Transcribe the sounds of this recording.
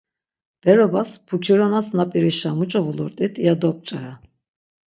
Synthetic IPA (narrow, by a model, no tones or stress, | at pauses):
b̥ɛɾɔbaspʰukʰiɾɔnasnapʼiɾiʃamut͡ʃʼɔvulɔɾt̪ʼit̪ʰijad̪ɔp̚ʼt͡ʃʼaɾa